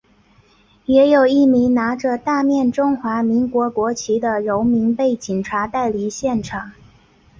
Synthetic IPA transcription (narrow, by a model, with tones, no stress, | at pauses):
jɛ˧˥jo˨˩ʊi˥˩mi˧˥ŋna˧˥ʈ͡ʂə˧t̪a˥˧mjɛ˥˩˧nʈ͡ʂʊ˥ŋxwa˧˥mi˧˥ŋkwɔ˧˥kwɔ˧˥t͡ɕʰi˧˥d̪ə˧ɻo˧˥ʊmi˧˥ŋpe˥˩ɪt͡ɕi˨˩nʈ͡ʂʰa˧˥t̪a˥˩ɪli˨˥ɕjɛ˥˩nʈ͡ʂʰɑ˨˩˦ŋ